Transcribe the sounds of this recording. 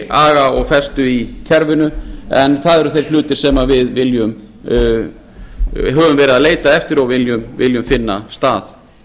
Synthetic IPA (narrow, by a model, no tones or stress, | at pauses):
aːɣaɔɣfɛst̪ʏicʰɛɾvɪnʏɛnθaðɛɾʏθejɾ̥flʏːt̪ɪɾ̥sɛmavɪðvɪljʏm | ɦœːvʏmvɛːɾɪðaðleːjt̪aɛft̪ɪɾɔɣvɪljʏmvɪ̰ljʏmfɪnːa̰st̪aːθ